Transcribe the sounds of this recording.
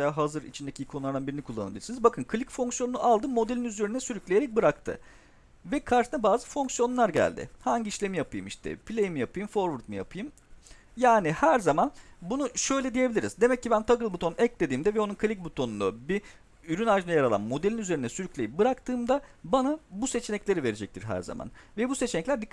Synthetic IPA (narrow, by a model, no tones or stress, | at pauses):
jaːɦazɯɾḭt͡ʃʰind̪ecʰiikʰolˠaɾd̪anbiɾinikʰulˠːanabilʲiɾsinizbakʰɯnkʰɯlʲicfo̞ŋksjo̞nunuʔalˠd̪ɯmːo̞d̪elʲinyze̞ɾinɛsyɾyclʲejeɾɛc̚bɯɾakt̪ʰɯ̰ | vɛkʰaɾt̪ʰɯnabaːzɯfo̞ŋksjo̞nlˠaɾɟæ̰lʲd̪ɪ̰haɲɟiʃlʲe̞mijapʰɯjɯ̰miʃt̪ʰɛ̰pʰilʲejmijapɯjɯmfoɾvuɾt̪̚muja̰pʰɯjɯm | jaːnihæɾzamanbunuʃø̞jlʲɛd̪ijebilʲiɾḭzd̪e̞mɛcːibænt̪ʰaɡɯlˠbut̪ʰo̞nʔɛclʲe̞d̪iːmd̪ɛvɛo̞nunkʰɯlʲicbut̪ʰo̞nund̪abi | yɾynaʒɯnajaɾalˠa̰nmo̞d̪elʲinyze̞ɾinɛsyɾycʲlʲejibɯɾakt̪ʰɯːmd̪abanabuse̞t͡ʃʰenɛclʲe̞ɾive̞ɾed͡ʒɛc̚t̪ʰiɾɦæ̰ɾza̰ma̰nvɛbuse̞t͡ʃʰenɛclʲæɾd̪ikʰː